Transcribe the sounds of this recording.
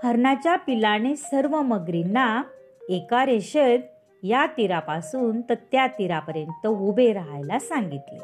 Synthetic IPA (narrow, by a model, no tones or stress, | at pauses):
həɾɳat͡ɕjapilanesəɾʋəməɡɾina | ekaɾeɕəd̪ | jat̪iɾapasuːnt̪əɾt̪jat̪iɾapəɾjənt̪əubeɾaɦajlasãŋɡit̪lḛ